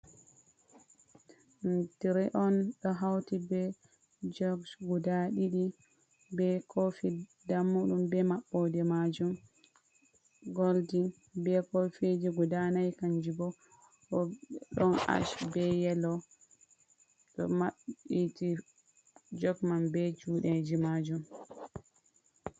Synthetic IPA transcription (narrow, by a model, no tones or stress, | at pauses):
ntiɾiʔɔnɗɔɦawtibɛ | d͡ʒɔɡsɡudaɗiɗi | bɛkʰofi | damːuɗumbɛmaɓːɔdɛmad͡ʒum | ɡoldin | bɛkofed͡ʒiɡudanajkaɲd͡ʒibɔ | ɔɗɔna̰ʃbɛjɛlɔ | ɗɔ̰maɓiti | d͡ʒɔɡmanbɛd͡ʒuːɗɛd͡ʒimad͡ʒum